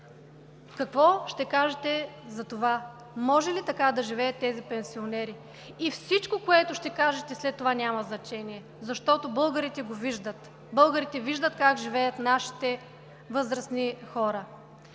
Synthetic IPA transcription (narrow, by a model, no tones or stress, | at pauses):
kɐkvɔʃt̪ɛkaʒɛt̪ɛzɐt̪ova | mɔʒɛlit̪ɐkad̪ɐʒivɛjɐt̪ːɛzipɛnsionɛɾi | ifsit͡ʃkokoɛt̪ʊʃt̪ɛkaʒɛt̪ɛslɛt̪ːovanʲamɐznɐt͡ʃɛniɛ | zɐʃt̪ɔt̪obɤlˠɡəɾit̪ɛɡoviʒd̪ət̪ | bɤlˠɡəɾit̪ɛviʒd̪ət̪kakʒivɛjət̪naʃi̥t̪ɛ | vɤzɾɐsnixɔɾə